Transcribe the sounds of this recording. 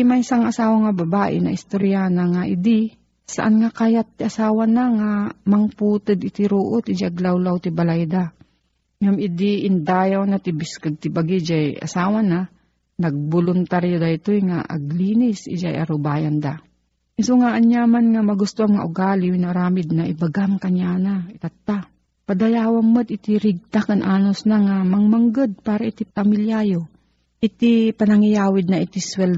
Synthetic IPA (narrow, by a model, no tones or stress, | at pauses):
maʔɪsaŋɐsaːwaŋabɐbaːʔɪ̰nɐ̰ʔɪst̪oɾjanaŋaʔɪd̪ɪ | sa̰ʔanŋakajat̪ːɪʔasaːwanaŋamɐŋpuːt̪ɨd̪ɪt̪ɪɾoːʔot̪ɪd͡ʒaʔaɡlawlawt̪ɪbalajd̪a | ŋamɪd̪ɪʔɪnd̪aːjawnat̪ɪbɪskaɡ̪̚t̪ɪbaɡɪd͡ʒajʔa̰saːwana | nɐɡ̚bolʊnt̪aɾjod̪aɪt̪ojŋa̰ʔɐ̰ɡliːnɪsɪ̰d͡ʒajʔɐ̰ɾʊbaːjand̪a̰ | ɪsoŋaʔaɲjamanŋamɐɡʊst̪oʔaŋmɐŋa̰ʔʊɡaːlɪwinɐʊɾaːmɪd̪̚nɐʔɪbaɡamkɐɲjanaɪt̪at̪ːa | pɐd̪ɐjaːwammod̪ɪt̪ɪɾɪɡ̚t̪akanʔaːnosnaŋamɐŋmaŋɡad̪̚paːɾaʔɪt̪ipɐmɪljajo | ʔɪt̪ipɐnɐŋɪjaːwɪd̪̚nɐʔɪt̪ɪswɛl